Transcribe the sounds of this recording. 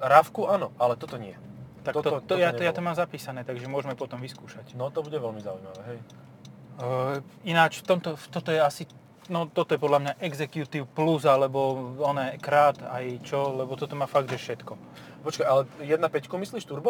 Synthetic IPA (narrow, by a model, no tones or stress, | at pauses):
ɾafkuʔaːnɔʔalɛt̪ɔt̪ɔɲɪɛt̪akt̪ɔt̪ɔjaɔjaːt̪ɔmaːmzapiːsanɛːt̪aɡʒɛmʊɔʒmɛpɔt̪ɔmʋiskuːʃacnɔt̪ɔbuɟɛʋɛlmizaujma̰ʋɛɦɛj | inat͡ʃft̪ɔmt̪ɔft̪ɔt̪ɔjɛasi | nɔt̪ɔt̪ɔjɛpɔd̪lamɲaʔɛɡzɛkjut̪iʊpluzalɛbɔɔnɛːkɾaːt̪ajt͡ʃɔlɛbɔt̪ɔt̪ɔmaːfaɡd̪ʒɛfʃɛt̪kɔ | pɔt͡ʃkajalɛjɛd̪napɛckumisliːʃt̪uɾba